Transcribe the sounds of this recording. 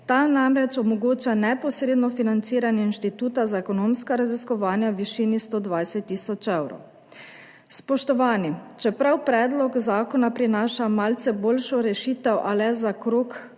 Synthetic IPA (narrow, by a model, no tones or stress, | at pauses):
t̪anamɾɛt͡ʃɔmɔɡoːt͡ʃanɛpɔsɾeːd̪nɔfinant̪siːɾanjɛinʃt̪it̪uːt̪azaɛkɔnoːmskaɾaziskɔʋaːnjaʋiʃinist̪oːd̪ʋajsɛt̪ːiːsɔt͡ʃɛwɾɔ̰w | spɔʃt̪ɔʋaːnit͡ʃɛpɾawpɾɛːd̪lɔkzaːkɔnapɾinaːʃamalt̪sɛboːlʃɔɾɛʃiːt̪ɛwʔalɛzakɾoːk